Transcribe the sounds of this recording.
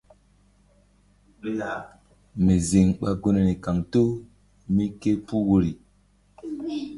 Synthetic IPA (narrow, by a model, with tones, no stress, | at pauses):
me˨zi˨ŋɓa˦ɡo˦ne˨ne˨ka˨ŋto˦ | mi˦ke˦pu˦wo˦ɾi˨